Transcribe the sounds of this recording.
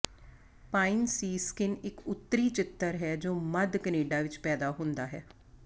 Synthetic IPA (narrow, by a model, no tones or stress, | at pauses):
paːinsiːskɪnɪkʊt̪ːɾiːt͡ʃɪt̪ːəɾɦɛːd͡ʒoːməd̪kəneːɖaːʋɪt͡ʃpɛːd̪aːɦʊ̃nd̪aːɦɛː